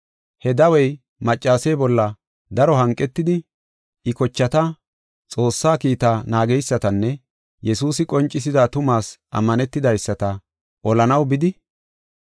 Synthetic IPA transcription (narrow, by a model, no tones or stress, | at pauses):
hɛd̪ɐwɛj | mɐt͡ʃʼːaːsejbɔlːɐ | d̪ɐɾɔɦɐŋkʼːɛt̪ːɪd̪ɪ | ʔɪkɔt͡ʃːɐt̪ɐ | t͡sʼo̞ːsːaːkiːt̪aːnaːɡɛjsːɐt̪ɐnːɛ | jɛsuːsɪkʼɔnt͡ʃʼːɪsɪd̪at̪ʊmaːsʔɐ̰mːɐnɛt̪ːɪd̪ɐjsːɐt̪ɐ | ʔɔlɐnɐwbɪd̪ɪ